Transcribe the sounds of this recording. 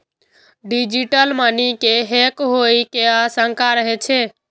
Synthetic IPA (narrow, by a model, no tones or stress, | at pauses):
ɖid͡ʒiʈəlmənikeɦekɦoikeasəŋkʰaɾəɦɛt͡ʃʰe